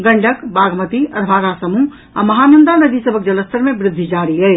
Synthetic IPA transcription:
ɡəɳɖʱəkbaɡʱmət̪iəɾbʱaɾasəmu | a̰məɦanənd̪anəd̪ʱisəbʱək̚d͡ʒələst̪əɾmebɾɪd̪ʱːid͡ʒaɾiə

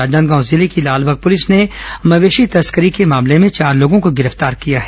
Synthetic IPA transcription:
aːd͡ʒə̃nd̪ɡãːʊ̃zɪlekilaːlbʱəɡ̚pʊlɪsnemɐʋeːʃit̪ɐskəɾikemaːmlemẽt͡ʃaːɾloːɡõkoɡɪɾəft̪aːɾkijaɦɛː

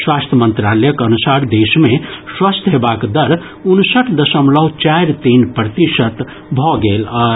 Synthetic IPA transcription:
swast̪ʰjəmənt̪ɾaləjəkənusaɾd̪esmeswast̪ʰɦebakd̪əɾ | unsəʈʰd̪əsəmlʌɦt͡ʃajɾt̪inpɾət̪isət̪ | bʱɔɡelɔɾ

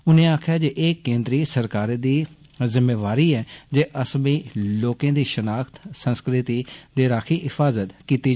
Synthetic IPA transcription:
ʊnẽːaːkʰjaːd͡ʒeʔeːkẽːnd̪ɾiːsəɾkaːɾd̪iːzɪmːeːʋaːɾiːɛːd͡ʒeːʔəsmĩːloːkẽːd̪iːʃənaːkʰt̪sə̃nskɾɪt̪iːd̪eːɾaːkʰiːʔɪfʰaːzət̪kiːt̪iː

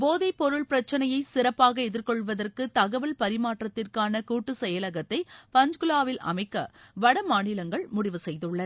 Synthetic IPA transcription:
boːðɐɪpːɔɾɯɭpɪɾɐt͡ʃːɐnɐjɐɪsɪɾɐpːaːɣɐɛðɪrkɔɭʋɐðɐrkɯt̪ɐɣɐʋɐlpɐɾɪmaːʈrɐt̪ːɪrkaːnɐkuːʈːɯsɛjɐlɐɣɐt̪ːɐɪpɐɲd͡ʒkɯlaːʋɪlʔɐ̰mɐɪkːɐ̰ʋɐɽɐmaːɳɪlɐŋɡɐɭmʊɽɪʋɯsɛjðɯɭːɐ

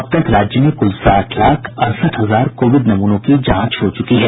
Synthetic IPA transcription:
ɐb̚t̪ɐk̪ɾaːd͡ʒjəmẽkʊlsaːʈʰlaːkʰɐɾsəʈɦɐzaːɾkoːʋɪd̪nɐmuːnõkid͡ʒãːt͡ʃɦot͡ʃʊkiɦɛː

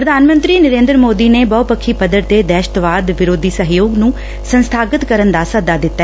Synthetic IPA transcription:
pɾəd̪ʱaːnmə̃nt̪ɾiːnəɾẽːnd̪ɾmoːd̪iːneːbɔːpəkʰːiːpəd̪əɾt̪eːd̪ɛːʃət̪ʋaːd̪ʋɪɾoːd̪ʱiːsəɦjoːɡnũː | sənst̪ʰaːɡət̪kəɾənd̪aːsəd̪aːd̪ɪt̪ːa

